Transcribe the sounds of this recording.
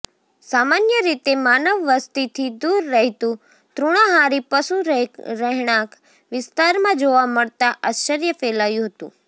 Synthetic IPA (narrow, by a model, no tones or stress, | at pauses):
saːmaːnjəɾit̪emaːnəʋːəst̪it̪ʰid̪uːɾːəɦit̪ũ | t̪ɾuɽ̃ãɦaɾipəsuɾɾəɦɽ̃ãk | ʋɪst̪aːɾmãd͡ʒoʋaməɽt̪aʔat͡ʃəɾjəfeːlaːjũɦət̪ṵ̃ː